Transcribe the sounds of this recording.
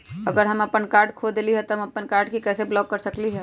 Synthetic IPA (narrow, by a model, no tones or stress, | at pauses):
ɐɡəɾɦɐməpənkaːɾɖkʰoːd̪eliɦɛt̪oɦəmɐpənkaːɾɖkikɛːseblɔːkːəɾsəkliɦɛː